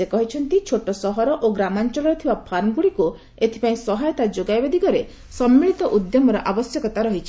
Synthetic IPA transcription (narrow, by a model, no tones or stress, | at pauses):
ekɔɦit͡ʃʰɔnt̪it͡ʃʰoʈɔsɔɦɔɾɔʔoɡɾamant͡ʃɔɭɔɾɔt̪ʰibapʰanɡuɽiku | et̪ʰi̥paĩsɔɦajɔt̪ad͡ʒoɡajbed̪ikɔɾe | sɔmːiɭit̪ɔʔud̪jɔmɔɾɔʔabɔsjɔkɔt̪aɾɔɦit͡ʃʰi